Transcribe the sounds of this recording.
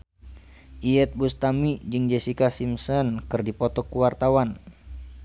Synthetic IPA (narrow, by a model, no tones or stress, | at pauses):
ʔiɛt̪̚bust̪amid͡ʒɨŋd͡ʒesikasimsɔnkɨrdipɔt̪ɔkuwart̪awan